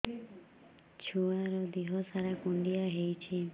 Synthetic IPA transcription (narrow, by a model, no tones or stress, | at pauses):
t͡ʃʰuaɾɔd̪iɦɔsaɾakuɳɖiaɦejt͡ʃʰi